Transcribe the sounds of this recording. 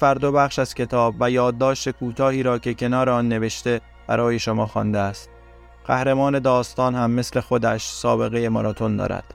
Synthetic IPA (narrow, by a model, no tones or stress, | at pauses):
fæɾd̪obæχʃæz̥cʰe̞t̪ʰɒːbvæjɒːd̪̚ːɒːʃt̪e̞kʰuːt̪ʰɒːhiːɾɒːcʰe̞cʰe̞nɒːɾeɒnːe̞ve̞ʃt̪e̞ | b̥æ̰ɾɒːje̞ʃo̞mɒːxɒ̰ːnd̪eæst̪̚ | ɢ̥æhɾe̞mɒːne̞d̪ɒːst̪ɒːnhæmːe̞sle̞xo̞d̪æʃsɒːbe̞ɣeje̞mɒ̰ɾɒt̪ʰo̞nd̪ɒ̰ːɾæ̰d̪̥